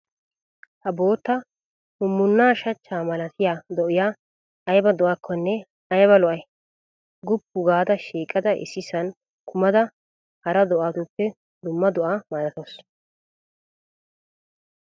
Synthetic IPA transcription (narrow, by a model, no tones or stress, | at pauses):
hɐbo̞ːt̪ːɐ | hʊmːʊnːaːʃɐt͡ʃːaːmɐlɐt̪ʰɪjaːd̪ɔʔɪjaː | ɐjbɐd̪ʊʔakʰːɔnːɛ | ɐjbɐlɔʔɐj | ɡʊpːʊɡaːd̪ɐʃiːkʼːɐd̪ɐʔɪ̰sɪsɐn | kʰʊmɐd̪ɐ | hɐɾɐd̪ɔʔaːt̪ʊpːɛ | d̪ʊmːɐd̪ʊʔaːmaːɾɐt̪ɔs